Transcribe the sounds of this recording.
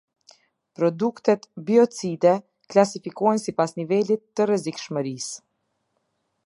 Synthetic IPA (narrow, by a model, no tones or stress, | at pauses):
pɾɔd̪ukt̪ɛt̪biɔt͡sid̪ɛ | klasifikɔjnsipasnivɛlit̪ːərɛzikʃməɾis